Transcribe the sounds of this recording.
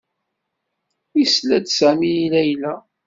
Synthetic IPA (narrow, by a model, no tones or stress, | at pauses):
islæd̪sæmiilæjlæ